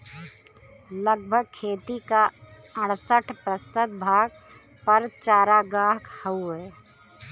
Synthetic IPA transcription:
ləɡ̚bʱəɡ̚kʰːeːt̪ika | əɽsəʈʰpɾəsəd̪bʱaːɡ̚ | pɐɾt͡ʃaːɾaɡaːkhəuɦɛː

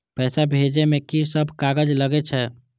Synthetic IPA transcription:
pɛːsabʱed͡ʒemekisəbʱkaɡəd͡ʒləɡɛt͡ʃʰɛ

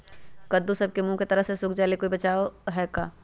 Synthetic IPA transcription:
kɐd̪usɐb̚kemũket̪ɐɾəɦsesʊkʰd͡ʒaːlekoːibɐt͡ʃaːoɦɛːkaː

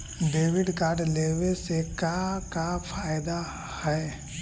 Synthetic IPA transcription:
ɖeːʋɪɖkaːɾɖleːʋesekakafʰaːɪd̪a | hɛː

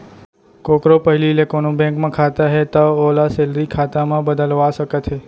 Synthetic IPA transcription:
kokɾopəɦililekonũbẽŋkmãkʰat̪aɦet̪aolaselɾikʰat̪amãbəd̪əlʋaʃəket̪ʰe

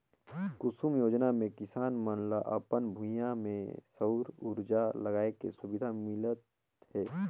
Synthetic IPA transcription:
kʊsumjoːd͡ʒnamẽkɪsaːnmənlaʔə̰pənbʱũjamḛ̃səɾuɾd͡ʒaləɡaːekḛsʊbɪd̪ʱamɪlət̪ | ɦɛː

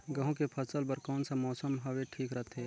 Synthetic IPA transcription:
ɡəɦõkepʰəsəlbəɾkɔːnsamɔːsəmɦɐweʈʰiːkɾət̪ʰeː

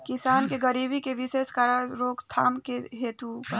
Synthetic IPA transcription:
kɪsaːnkeɡəɾiːbikeʋɪʃeːskaɾaɾoːkt̪ʰaːmkeɦeːt̪upɐ

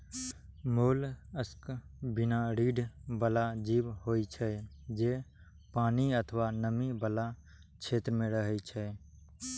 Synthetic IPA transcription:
moːləskbɪnaɾiːɖʱbəlad͡ʒiːbɦoːit͡ʃʰɛd͡ʒeː | paːniət̪ʰəʋanəmibəla | t͡ʃʰeːt̪ɾəmẽɾəɦɛt͡ʃʰɛ

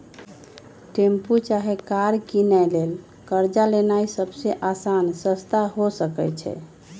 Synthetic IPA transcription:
ʈemput͡ʃaɦekaɾkinɛjlel | kəɾd͡ʒalenaisəbseʔasansəst̪aɦosəkɛt͡ʃʰɛ̰

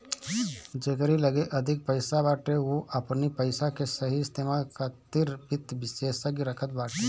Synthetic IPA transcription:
d͡ʒeːkəɾiləɡeʔəd̪ʱɪk̚pəɪsabaːʈeoʔəpnipəɪsakesəɦist̪eːmalkat̪ɪɾpɪt̪bɪseːsəɡiɾəkʰət̪̚baːʈe

